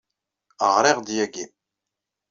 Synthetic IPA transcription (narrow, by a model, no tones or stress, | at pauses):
ə̰ʁɾˤɪʁd̪jæɡin